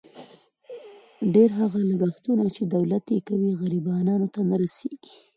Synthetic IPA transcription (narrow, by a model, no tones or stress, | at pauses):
ɖeɾɦaɣalaɡaxt̪unat͡ʃed̪awlat̪jekawiɣaɾibɑnɑnot̪anaɾaseɡ̥i̥